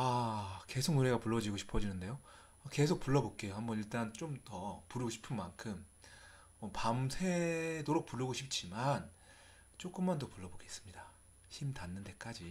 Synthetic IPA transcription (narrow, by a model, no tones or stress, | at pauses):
ake̞sʰoknuɾe̞ɡapuɭːʌd͡ʑiɡoɕʰi̥pʰʌd͡ʑinɯnde̞jo | ake̞s̬ʰok̚p͈uɭːʌbok͈̚e̞johambʌniɭt͈aɾant͡ɕ͈omtʌpuɾɯɡoɕʰi̥pʰɯnmankʰɯm | ʌpamsʰe̞doɾok̚puɭːɯɡoɕʰip̚t͡ɕ͈iman | t͡ɕ͈ok͈ɯmːandopuɭːʌboɡe̞is͈ɯ̥mɲida | çimtanːɯnde̞k͈ad͡ʑi